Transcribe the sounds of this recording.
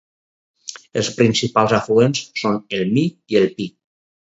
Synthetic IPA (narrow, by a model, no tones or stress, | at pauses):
elˠspɾinsipalˠzafluensːonelˠmiielˠpi